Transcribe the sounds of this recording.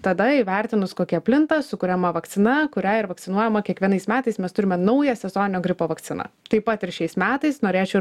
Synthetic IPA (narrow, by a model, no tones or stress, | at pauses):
t̪ɐd̪ɐiʋʲæɾʲt̪ʲɪnʊskoːkʲɛɐpʲlʲɪnt̪ɐsʊkʊɾʲɛmɐʋɐkt̪ʲɪnɐkʊɾʲæɪɾʋɐkt̪sʲɪnuɔjɛmɐkʲiɛkʋʲiɛnɐɪsmʲæːt̪ɐɪsmʲɛst̪ʊɾʲɪmʲɛnɐʊjɛsʲɛzoːnʲɪnʲoːɡɾʲɪpoːʋɐkt̪sʲɪnɐ̰t̪ɐɪpɐt̪ɪɾʃʲɛɪsmʲæːt̪ɐɪsnoːɾʲeːt͡ʃʲɛoʊ